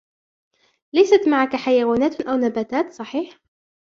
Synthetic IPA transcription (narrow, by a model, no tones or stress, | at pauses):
lajsat̪maʕakaħajawaːnaːt̪ʔawnabaːt̪aːt̪sˤɑħiːħ